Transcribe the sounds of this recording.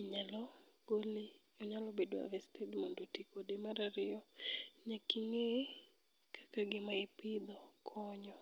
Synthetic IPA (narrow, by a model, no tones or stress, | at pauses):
iɲalɔɡoli | ɔɲalɔbedwa̰vɛstʰedmondotikodemaɾaɾɪɔɲakiŋe | kʰḁkaɡɪmaɪpɪd̪ɔkʰɔɲɔ